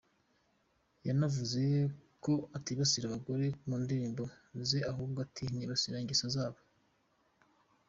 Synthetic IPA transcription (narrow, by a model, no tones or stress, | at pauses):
janavuzeko̞atiβasiɾaβaɡo̞ɾe̞muːndiɾiːmbo̞ | zeahuːb̚ɡoatʰiniβasiɾaɲɟisazaːβo